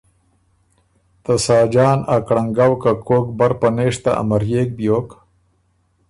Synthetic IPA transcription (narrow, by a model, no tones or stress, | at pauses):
t̪ɐsaːd͡ʒɑːnakɽɐŋɡawkakoːk̚bɐɾpɐneːʂt̪aʔa̰mɐɾjeːk̚bjoːk